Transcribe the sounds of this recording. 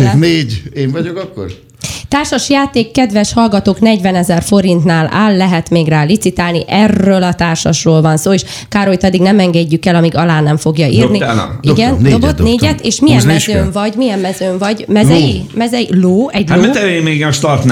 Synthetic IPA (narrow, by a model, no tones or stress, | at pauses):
neːɟeːɱvɒɟokɒkːo̰ɾ | t̪aːrʃɒʃjaːt̪eːkːɛd̪ʋɛʃhɒlɡɒt̪oːknɛɟvɛnɛzɛrfo̞ɾint̪naːla̰ːlːɛɦɛt̪meːɡraːlit̪sit̪aːlniʔɛrːøːlɒt̪aːrʃɒʃroːlvɒnsoːeːʃ | kaːɾojt̪ɒd̪iɡnɛmɛŋɡɛɟːykɛlɒmiɡɒlaːnɛɱfo̞ɡjɒiːrnḭɡɛnd̪ːobot̪neːɟɛt̪eːʃmijɛmmɛøːɱvɒɟmijɛmːɛzøːɱvɒɟmɛzɛmɛzɛiloːɛɟaomɛt̪ɛvemeːɡɒʃt̪ɒrt̪n